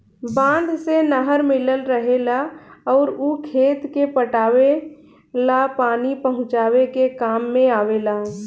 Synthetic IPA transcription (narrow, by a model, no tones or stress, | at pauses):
bãːnd̪ʱsenəɦəɾmɪləlɾəɦelaɔːɾukʰeːt̪kepəʈaːwe | lapaːnipəɦʊ̃t͡ʃaːwekekaːmːẽaːʋelaː